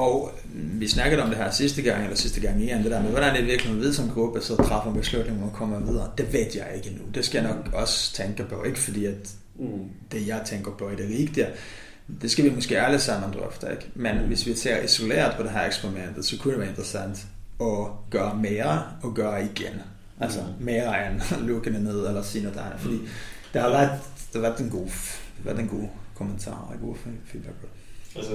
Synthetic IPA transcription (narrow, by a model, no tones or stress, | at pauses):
ɒʊ | ʋisnɑ̈ɡ̥ɐdeɒ̽md̥e̝ɦæɐsisd̥əɡ̥ɑ̈ŋ̰elɐsisd̥əɡ̥ɑ̈ŋ̰me̝ːɐend̥e̝dæɐmeðˠʋæɾæɐnd̥eʋiɐɡlihen̩ˠʋe̝ðˠsɒ̽mɡ̥ʁub̥əsɒ̽t͡sʰʁɑ̈fɐb̥eslud̥neŋɒkʰɒ̽m̰ɐʋið̞ˠɐːd̥e̝ʋed̥jɑ̈ɪe̝ɡ̥ənud̥esɡ̥æjɑ̈ɪnɒ̽ɡ̥ɒ̽st͡sʰeŋɡ̥ɐpʰɒ̽e̝ɡ̥əfɒd̥ḭːæd̥ | d̥e̝jɑ̈ɪt͡sʰeŋɡ̥ɐpʰɒ̽ed̥eʁiːɡ̥d̥iɐ | d̥e̝sɡ̥æʋimɒ̽sɡ̥e̝ːæləsɑ̈m̰nɒmd̥ʁœ̰fd̥ɐeɡ̥menʋe̝sʋise̝ɐ̰ʔiso̝lḛːɐðˠpʰɒ̽ɾ̥eɦæɐ̰eɡsb̥ʁimen̰d̥ð̩ˠsɒ̽kʰudd̥eʋæːɐe̝nd̥ʁəsæn̰d̥ | ɒ̽ɡ̥ɶːɐmeːɐ | ɒ̽ɡ̥ɶːɐiɡ̥en | ʔælsɒmeːɐʁɐæɐnloɡ̥ənəne̝ð̞̰ˠelɐsiːnɐd̥ɑɪnəfɒd̥ḭːd̥ehɑʋæɐd̥d̥eʋæɐd̥enɡ̥o̝̰ːʋæɐd̥enɡ̥o̝̰ːkʰomənt͡sʰɑ̰̈ːeɡo̝̰ːfiːd̥b̥æɡ̥̚pʰɔ